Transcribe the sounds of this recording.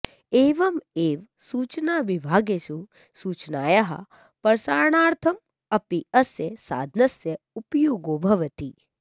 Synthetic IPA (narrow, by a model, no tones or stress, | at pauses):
eːʋɐmeːʋ | suːt͡ʃnaːʋibʱaːɡesu | suːt͡ʃnaːjaɦɐ̰ | pɐɾsaːɾɳaːɾt̪ʰɐm | ɐpiɐsjesa̰ːd̪ʱnɐsje | upjoːɡoːbʱɐʋɐt̪i